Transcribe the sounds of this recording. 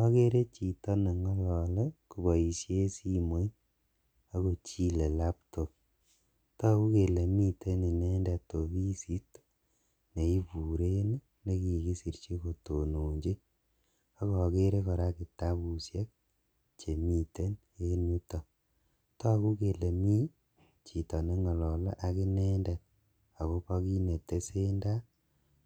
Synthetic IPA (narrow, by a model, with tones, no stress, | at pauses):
ɔ˦ke˦ɾe˦t͡ʃi˨tɔ˦na˨ŋɔ˦lɔː˨lɛ˦ku˨ba˨i˨sje˦si˦mo˦i˦ | a˦ko˨t͡ʃi˦le˨la˦pto˨p̚ | tɔ˦ku˦ke˨le˨mi˦te˦ni˨ne˦nda˨to˨bi˦si˦t | ne˨i˦pu˨ɾe˦ne˦ | ne˦ki˨ki˦si˨ɾt͡ʃi˦ko˨to˨no˨ɲd͡ʒe˦ | a˦kɔ˨ke˦ɾe˦kɔ˨ɾa˦ki˨ta˦βu˨sje˦k̚ | t͡ʃe˨mi˨te˦n | e˦nu˦tɔ˨ | tɔ˦ku˦ke˨le˨mi˦ | t͡ʃi˨tɔ˨ne˦ŋɔ˨lɔ˨la̰˦ʔa˨ki˦nɛ˦ndɛ˨t̚ | a˨ko˦pɔ˦ki˦ne˨te˦se˦nda˦